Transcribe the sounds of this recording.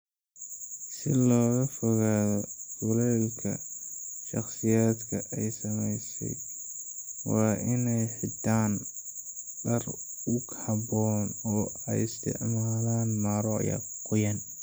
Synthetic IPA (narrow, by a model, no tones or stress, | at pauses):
sɪlɔːɣɐfɔɣaːðɔsʊlɛːlkʰɐ̰ | ʃɑχsɪjaːd̪kʰɐʔɛjsɐmɛjsɛ̰j | wɑːʔɪnɛjħɪd̪ʰaːn | ɖɐr | ʊkhɑbɔːnɔː | ɛjɪst̪ʰɪ̰ʕmaːlaːnmaːɾɔ̰ja̰ | qʊjɐn